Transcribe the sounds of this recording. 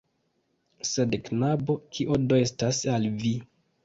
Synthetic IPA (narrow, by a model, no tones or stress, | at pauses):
se̞dknabo̞kʰiʔodoestasalvi